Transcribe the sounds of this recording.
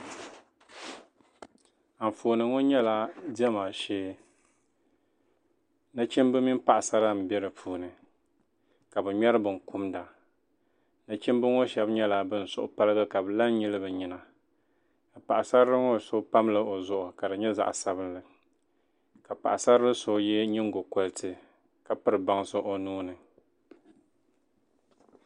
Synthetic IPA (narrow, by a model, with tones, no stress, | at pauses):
a˨m˨foː˨nɨ˨ŋɔ˦ɲɛ˦la˦di˦ɛ˦maː˨ʃeː˦ | na˦t͡ʃi˦m˦bɨ˦mi˦m˦pa˨ʔa˨sa˦ɾa˦m̩˨bɛ˦ɾɨ˨pʰuː˨˦nɨ˨ | ka˨bɨ˨ɲɛ˦ɾɨ˦bɨ˨ŋ˨ku˦mda˨ | na˦t͡ʃi˦mbɨ˦ŋo˦ʃɛ˦bɲɛ˦la˨bɨ˦n̩˨sʊ˦ʔʊ˦pa˦lɨ˦ɡa˦ka˨bɨ˨la˦nɲi˦lɨ˦bɨ˨ɲi˨na˨ | ka˨pa˨ʔa˨sa˦ɾɾɨ˦ŋo˦so˦pa˦mlɨ˦o˨zʊ˨ʔʊ˨ka˨dɨ˨ɲɛ˦za̰˨ʔsa˦bɨ˦nlɨ˨ | ka˨pa̰˨ʔa˨sa˦ɾɨ˦so˨jɛ˦ɲi˦ŋ˦ɡo˨ko˦ltʰɨ˦ | ka˨pɨ˦ɾɨ˨ba˦ŋso˦ʔo˦nuː˦nɨ˨